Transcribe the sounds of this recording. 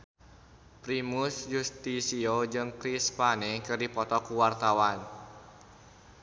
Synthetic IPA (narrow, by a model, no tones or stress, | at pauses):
pɾimʊsjust̪isiod͡ʒɨŋkɾispanekɨrdipɔt̪ɔkuwart̪awan